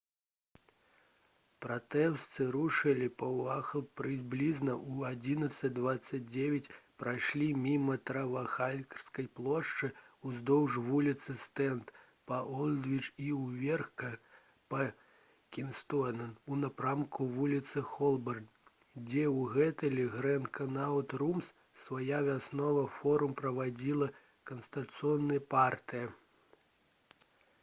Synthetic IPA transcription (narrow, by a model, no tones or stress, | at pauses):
pɾat̪ɛwst̪sɨɾuʂɨlʲipɐwaxɐpɾɨblʲiznɐʔuad͡zʲinɐt̪sɐd͡zʲd̪vat̪sːɐd͡zʲd͡zʲevʲɐt͡sʲpɾajʂlʲimʲimɐt̪ɾɐvɐxalʲkɐrskɐjplˠɔʂt͡ʂɨuzd̪ɔwʐvulʲit̪sɨst̪ɛnt̪ | pɐʔɔlʲd̪vʲit͡ʂiwvʲɛrxkɐ | pɐ | kʲinst̪ɔnɐunapɾamkuvulʲit̪sɨxɔlˠbɐrn | d͡zʲɛwɣɛt̪ɨlʲɛɣɾɛnkʰɐnat̪rums | svajavʲasnɔvɐfɔɾumpɾɐvad͡zʲilˠɐ | kɐnst̪ɐt̪t̪sɨɔnːɨjɐpart̪ɨjɐ